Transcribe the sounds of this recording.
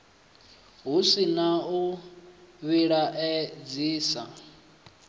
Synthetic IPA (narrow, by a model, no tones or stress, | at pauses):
ɦusinau | βiɺaʔɛd͡ziːsa̰